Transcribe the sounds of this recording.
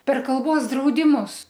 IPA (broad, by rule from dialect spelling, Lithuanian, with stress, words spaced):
pʲɛr kɐlˠˈboːs drɐʊdʲɪˈmʊs